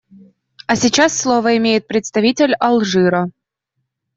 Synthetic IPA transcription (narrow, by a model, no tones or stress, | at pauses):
ɐsʲit͡ɕasːlˠovəɪmʲejɪt̪̚pɾʲɪt̪st̪ɐvʲitʲɪlʲɐlˠʐɨɾə